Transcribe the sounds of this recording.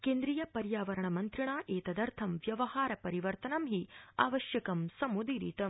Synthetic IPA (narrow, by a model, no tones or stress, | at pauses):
keːnd̪ɾijɐpɐɾjaːʋɐɾɐɳɐmɐnt̪ɾiɳaːʔeːt̪ɐd̪ɐɾt̪ʰɐmʋjɐʋɐhaːɾɐpɐɾiʋɐɾt̪ɐnɐmɦia̰ːʋɐʃjɐkɐmsɐmud̪iɾḭːt̪ɐm